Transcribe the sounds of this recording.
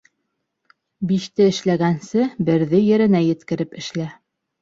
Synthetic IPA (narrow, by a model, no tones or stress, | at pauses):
biʃt̪ɘɘ̆ʃlæɡænsɘbɘ̆ɾðɘjɘ̆ɾɘ̆næjɘ̆t̪kɘ̆ɾɘpɘ̆ʃlæ